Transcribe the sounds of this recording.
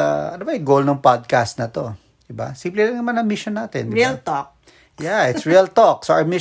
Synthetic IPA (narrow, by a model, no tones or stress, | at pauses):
ɐɐnobɐɐɡowlnɐŋpad̪̚kast̪̚nɐt̪o̞ | d̪̥ɪba̰sĩmplɪlɐŋnɐmanɐŋmɪʃonːaːt̪ɛnd̪ɪlt̪ok | jaʔɪt̪sɹiɐlt̪ok̚soʔɐmɪ